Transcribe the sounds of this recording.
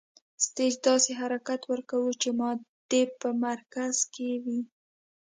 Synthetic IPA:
st̪ed͡ʒd̪ɑseɦaɾakat̪wəɾkawut͡ʃemɑd̪̥epəmaɾkaz̥kewi

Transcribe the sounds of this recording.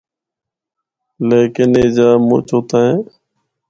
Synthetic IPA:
leːkɪneːd͡ʒaːmo̰ːt͡ʃʰoːt̪aːẽː

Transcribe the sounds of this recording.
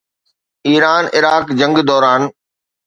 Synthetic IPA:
iːɾaːnʔɪɾaːkd͡ʑə̃ŋɡd̪ɔːɾaːn

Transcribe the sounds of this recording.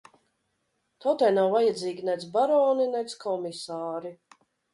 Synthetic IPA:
t̪ɔwt̪ajnawvajad̪ziːɡʲinɛt̪zbaɾɔːninɛt̪skʰɔmisaːɾi

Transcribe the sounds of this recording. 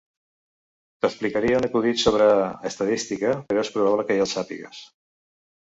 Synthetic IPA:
t̪əksplikaɾiəunəkuðit̪soβ̞ɾəːst̪aðist̪ikəpəɾoespɾuβ̞aβləkəjalˠsapḭɣə̰s

